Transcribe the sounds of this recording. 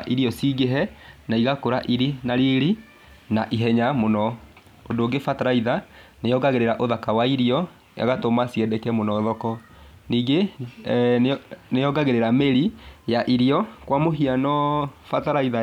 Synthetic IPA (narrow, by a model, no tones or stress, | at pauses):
ʔiɾiɔsiɡeɦɛnaiɣakoɾaʔiɾinaɾiɾi | naʔiɦɛɲamonɔ | ondoːɡefataɾaiða | nejɔɡaɣeɾeɾaʔoðakawaiɾiɔ | ja̰ɣatomasiɛdɛkɛmonɔːðɔkɔ | niːɡe | nejɔɡaɣeɾeɾameɾijaʔiɾiɔkwamoɦianɔfataɾaiða